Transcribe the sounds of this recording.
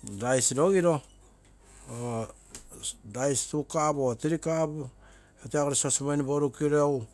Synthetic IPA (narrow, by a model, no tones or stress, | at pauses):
dajsɾo̞ɡiɾo̞ | o | dajstukabotiɾikab | eoteaɡoɾeso̞smajniboɾukiɾew